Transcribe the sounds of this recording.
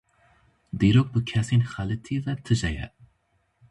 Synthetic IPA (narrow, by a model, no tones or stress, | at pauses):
d̪iɾok̚bɨkʰɛsenxalɨt̪ʰivɛt̪ʰɨʒɛjɛ̰